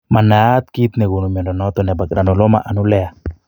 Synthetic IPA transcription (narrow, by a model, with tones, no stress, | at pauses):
ma˨na˨t̪̚ki˦t̪nɛ˨ɡu˨nu˨mɔ˨ndɔ˨nɔ˦t̪ɔnɛ˨ba˨kɾa˨nu˨lɔ˦ma̰˨ʔa˨nu˦lɛ˦a˨